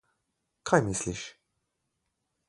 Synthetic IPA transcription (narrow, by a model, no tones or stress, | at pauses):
kʰajmɪsliʃ